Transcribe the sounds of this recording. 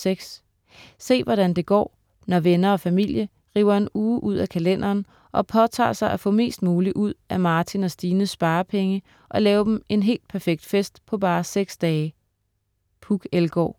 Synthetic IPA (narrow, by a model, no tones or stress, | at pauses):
seɡ̥s | se̝̰ːʋɒɾ̥ænd̥e̝ɡ̥ɒ̰ː | nɒʋenɐɒ̽fæmil̰jə | ʁḭːʊɐe̝nuːʔuð̞̰ˠækʰælen̰ʔɐːn | ʔɒ̽pʰɒ̽t͡sʰɑ̰̈ːsɑ̈ɪʔæfɔ̰̽me̝̰ːsd̥̚muːliʔuð̞̰ˠæmɑ̈ːt͡sʰinɒ̽sd̥iːnəsb̥ɑ̈ːpʰeŋə | ʔɒ̽lɛːʊɐd̥em̩e̝nɦe̝̰ːld̥̚pʰæɐfeɡ̥̚d̥fesd̥pʰɒ̽b̥ɑ̈ːseɡ̥sd̥ɛː | pʰuɡ̥elɡ̥ɒ̰ː